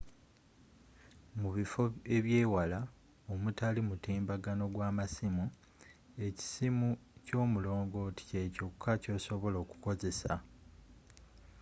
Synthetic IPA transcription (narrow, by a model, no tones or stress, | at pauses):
muβifo̞e̞βjeːwala | omutalimutiːmbaɡano̞ɡwaːmasimu | e̞ci̥simuco̞ːmulo̞ːŋɡo̞ti̥ce̞ːcokʰːaco̞ːso̞βo̞lo̞ːku̥ko̞ze̞sa